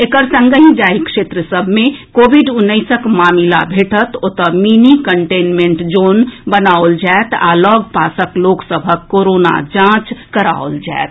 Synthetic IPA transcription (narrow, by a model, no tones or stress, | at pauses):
ekəɾsə̃ŋɡəɦĩd͡ʒaːikʃeːt̪ɾəsəbʱmẽkoːbʱiɖʊnːəɪsəkmaːmila̰bʱeʈət̪ot̪əminikəɳʈeːnmẽɳʈd͡ʒoːnbənaold͡ʒaet̪a̰lɔɡpaːsəkloksəbʱəkːoɾona̰d͡ʒãːt͡ʃkəɾa̰old͡ʒa̰et̪